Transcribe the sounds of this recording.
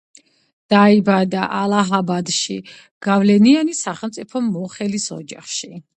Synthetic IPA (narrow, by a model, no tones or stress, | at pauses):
d̪̥aibad̪aʔalˠaɦabad̪ʃi | ɡ̥avlɛnianisaχɛlˠmt̪sʼipʰɔmɔχɛlisɔ̰d͡ʒaχʃi